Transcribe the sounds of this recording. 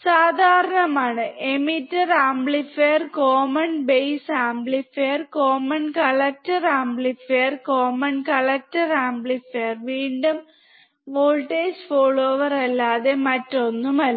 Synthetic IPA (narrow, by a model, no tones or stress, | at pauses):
saːd̪ʱaːɾɐɳɐmaːɳɨʔemitːɐraːmbɭifeːrkoːmɐnbejsaːmbɭifeːrkoːmɐnkɐɭɐk̚tɐraːmbɭifeːrkoːmɐnkɐɭɐk̚tɐraːmbɭifeːrʋiːɳɖum | ʋoːlʈeːd͡ʑfoːɭoːʋɐrɐlːaːðemɐtːo̞nːumɐl